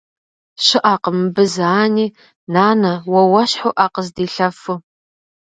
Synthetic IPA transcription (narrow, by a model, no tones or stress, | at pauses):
ɕɪʔaːqəmɨbɨzaːniː | naːnɐwɐwɐɕħʊʔaːqəzdiːɬɐfu